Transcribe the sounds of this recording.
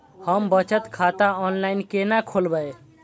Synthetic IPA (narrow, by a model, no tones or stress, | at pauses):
həmbət͡ʃət̪kʰat̪aɔnlainkenakʰolbəj